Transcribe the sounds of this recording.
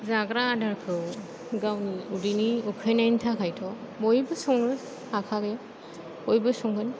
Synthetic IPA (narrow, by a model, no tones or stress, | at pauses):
zaɡɾaːdaɾkʰɯw | ɡawniudiniukʰejnajntʰakʰajtʰɔ | mojbɯsɔŋɾɯ | akʰaɡe | ojbɯsɔŋɡɯn